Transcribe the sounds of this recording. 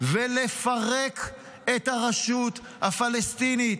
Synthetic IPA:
velefaʁek | et̪haʁaʃut̪ | hafalest̪init

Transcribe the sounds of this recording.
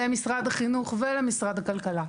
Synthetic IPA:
emisʁad̪aχinuχvelemisʁad̪hakalkala

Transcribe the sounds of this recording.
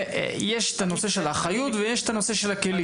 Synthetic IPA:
jeʃet̪ano̞se̞ʃelaχajut̪vejeʃet̪ano̞se̞ʃe̞lakeli

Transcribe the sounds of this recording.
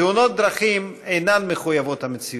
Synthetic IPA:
euno̞t̪̚d̪ɾaχimejnanmeχujavo̞t̪hamet͡si

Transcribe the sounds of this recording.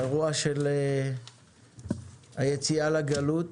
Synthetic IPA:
ʁuaʃele | ajet͡sialaɡalut̪

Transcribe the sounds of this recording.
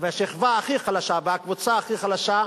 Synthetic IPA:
veaʃiχvaːχiχalaʃabeakvut͡saːχiχalaʃa

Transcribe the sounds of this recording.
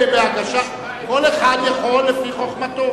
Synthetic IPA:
ebeaɡaʃa | koleχad̪jaχolːefiχo̞χmat̪o

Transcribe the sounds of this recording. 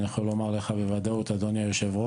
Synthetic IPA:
niaχolːomaʁleχabevad̪aot̪ad̪onjajoʃevo

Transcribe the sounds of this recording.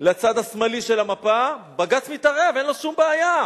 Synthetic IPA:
lat͡sad̪hasmaliʃe̞lamapabaɡat͡smitaʁevenlo̞ʃumbeaja

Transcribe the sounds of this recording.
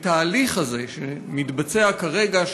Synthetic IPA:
t̪aːliχaze̞ʃemit̪bat͡se̞akaʁe̞ɡaʃ

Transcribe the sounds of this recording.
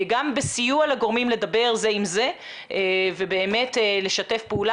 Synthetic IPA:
ɡambesijualaɡo̞ʁmimle̞d̪abe̞ʁzeimze̞ | vebe̞ːme̞tle̞ʃate̞fpeula

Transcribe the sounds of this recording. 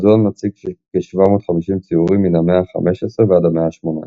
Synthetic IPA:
zonmat͡siɡʃkeʃvamo̞tχamiʃimt͡siuʁimːinameaχa̰meʃesʁeveadameaʃmona̰

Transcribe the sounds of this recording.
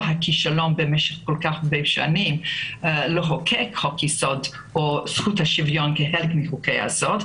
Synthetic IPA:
ɦakiʃalo̞mbemeʃeχkolkaχbejʃa̰nim | loɦokʰekhokisod̪ | osχuthaʃivjo̞nkeɦelkmiχukeja̰sod

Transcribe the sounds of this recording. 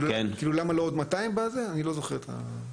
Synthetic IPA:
uenkiːlulamalood̪mat̪aimbazeanilo̞zo̞χeʁet̪ʰa̰

